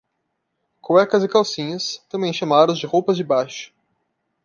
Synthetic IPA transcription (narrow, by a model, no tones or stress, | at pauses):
koɛkɐzɪkawsĩɲɐst̪ɐ̃mbẽj̃ʃamaɾʊ̃zd͡ʒɪhowpɐzd͡ʒɪbajʃʊ̥